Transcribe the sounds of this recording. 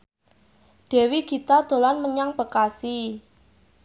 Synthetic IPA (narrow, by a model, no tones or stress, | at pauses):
d̥ɛ̤wiɡit̪ad̪̥o̤lanməɲaŋb̥ə̤kasi